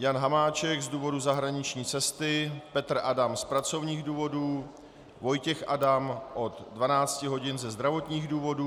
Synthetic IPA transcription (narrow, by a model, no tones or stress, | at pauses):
janɦamaːt͡ʃɛkzduːvo̞duzaɦɾaɲɪt͡ʃɲiːt͡sɛst̪ɪpɛt̪r̩ʔadamspɾat͡so̞vɲiːɣduːvo̞duː | vo̞jcɛxʔadamʔo̞t̪dvanaːt͡scɪɦo̞ɟɪnzɛzd̪ɾavo̞t̪ɲiːɣduːvo̞duː